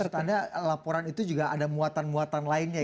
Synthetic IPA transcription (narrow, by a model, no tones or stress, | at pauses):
t̪adalapɔɾanit̪ud͡ʒuɡaʔadamuat̪anmuat̪anlaɪnɲa